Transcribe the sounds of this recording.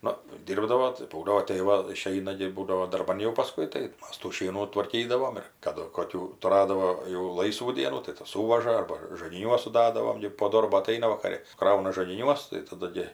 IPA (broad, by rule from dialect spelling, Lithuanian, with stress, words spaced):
ˈnʊ ˈdʲiːrbdɐʋoː tɐɪ pɐʊˈlʲoːt tɐɪ ˈʋɐ ɪˈʃʲɛɪnɐ ɡʲɪ ˈbuːdɐʋoː dɐrˈbɐn jɛʊ pɐˈskʊɪ tɐɪ ˈmɐs tuː ˈʃʲiɛnuː tʋɐrʲˈkʲiːdɐʋoːm ɪr kɐˈdʊ koːˈkʲuː tʊˈrɑːdɐʋoː jɛʊ ˈlˠɐɪsʋuː ˈdʲiɛnuː tɐɪ ˈtɐs ˈsuːʋɐʒɐ ˈɐrbɐ ʒɐɡʲɪˈnʲuɔs sʊˈdɑːdɐʋoːm ɡʲɪ poː ˈdoːrboː ɐˈtɐɪnɐ ʋɐkɐˈrʲɪ ˈkrɐʊnɐ ʒɐɡʲɪˈnʲuɔs tɐɪ tɐˈdʊ ɡʲɪ